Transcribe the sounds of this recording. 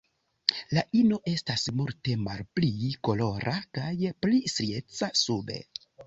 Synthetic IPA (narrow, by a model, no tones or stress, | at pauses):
laʔino̞ʔe̞stasmulte̞malpliko̞lo̞ɾʔakajplisɾiet͡sasube̞̰